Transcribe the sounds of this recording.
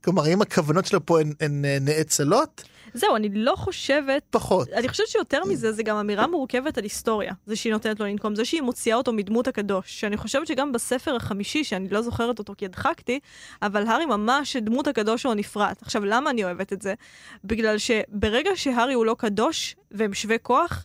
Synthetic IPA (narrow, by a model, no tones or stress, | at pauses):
klomaʁimakʰavano̞tt͡ʃʃelopoenenːeet͡salo̞t | zeuanilo̞χo̞ʃe̞vet̪̚paχotaniχoʃevett͡ʃejo̞teʁmize̞zeɡamamiʁamuʁke̞vetalisto̞ʁja̰zeʃeino̞tenetlolinko̞mzeʃeimo̞t͡siaoto̞midmuthakado̞ʃːeaniχo̞ʃevetʃe̞ɡambasefe̞ʁaχamiʃiʃeanilo̞zo̞χe̞ʁeto̞to̞kiad̪χakti | avalɦaʁimamaʃdmuthakado̞ʃonifʁataχʃavlamaːnio̞e̞vetetze̞biɡlalʃe̞be̞ʁeɡaʃe̞ɦaʁiulo̞kado̞ʃveemʃveko̞aχ